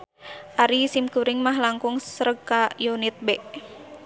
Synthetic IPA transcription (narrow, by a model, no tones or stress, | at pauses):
ʔaɾisimkuɾɪŋmaɦlaŋkuŋsəɾəɡajunit̪̚bɛʔ